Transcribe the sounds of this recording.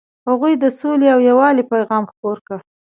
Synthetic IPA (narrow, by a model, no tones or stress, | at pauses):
haɣujd̪əsoleawjawɑlipajɣɑmxpoɾkə